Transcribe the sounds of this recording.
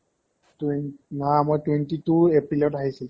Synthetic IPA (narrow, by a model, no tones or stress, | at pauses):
tnnamojtwentituepɹilɔtaɦisil